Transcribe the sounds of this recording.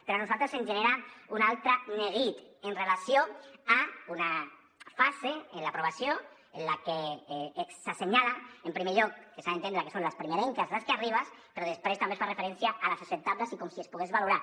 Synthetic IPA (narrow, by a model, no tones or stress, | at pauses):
peɾoanuzalt̪ɾesemʒeneɾaunalt̪ɾaneɣit̪enrelasjoauna | fazeːnlapɾoβasjo | enlake | saseɲalaempɾimeʎɔkːesaẽnt̪end̪ɾakesonlaspɾimeɾeŋkazlaskeariβ̞aspeɾɔðespɾest̪ambesfarefeɾensjaʔalasesent̪aβlasikɔmsiespuɣ̞ezβaluɾa